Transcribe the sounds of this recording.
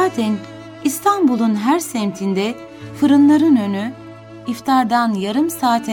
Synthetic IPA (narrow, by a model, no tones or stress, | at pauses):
aːt̪ʰɛn | ist̪ʰanbulˠunɦæɾsɛmt̪ʰind̪ɛ | fɯɾɯnlˠaɾɯnøny | ift̪ʰaɾd̪anjaɾɯmsaːt̪ʰɛ